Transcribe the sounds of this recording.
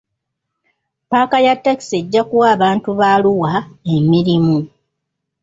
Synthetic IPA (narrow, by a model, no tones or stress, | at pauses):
paːkajatːaki̥se̞ɟːakuwaːβaːntuβaluwaemiɾimu